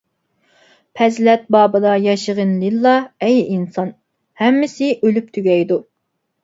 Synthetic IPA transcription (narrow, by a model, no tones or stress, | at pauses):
pʰɛzlɛt̪̚bɑːbɨd̪ɑjɑʃəʁənlilˠːɑɛjinsɑn | hɛmːɪsɪʔølyp̚t̪ʰyɡʲɛjd̪u